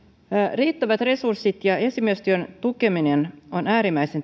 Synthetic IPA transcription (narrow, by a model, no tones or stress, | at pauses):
riːt̪ːæʋæt̪re̞sursːit̪jɑe̞simist̪yønt̪uke̞minenonæːɾimæjse̞n